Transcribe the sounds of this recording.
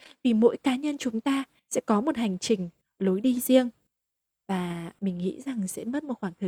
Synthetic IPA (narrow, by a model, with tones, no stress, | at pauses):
vi˨˩mo̰˧˥jkaː˨˦ɲə˧nt͡ɕʊ˨˦ŋ͡mt̪aː˧ | sɛ̰˧˥kɔ˨˦mo˨˩t̚ha˨˩jŋ̟t͡ɕï˨˩ŋ̟ | lo˨˦jɗi˧zi˧əŋ | vaː˨˩mï˨˩ŋ̟ŋḭ˧˥za˨˩ŋsɛ̰˧˥mə˦˥t̚mo˨˩t̚xwaː˧˩ŋt̪ʰɨ˧˩